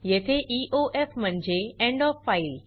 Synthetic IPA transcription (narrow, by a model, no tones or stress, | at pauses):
jɐɦt̪ʰeʔiːʔoʔeːfmɐ̃ɲd͡ʑeẽːɳɖɔːfːaːɪl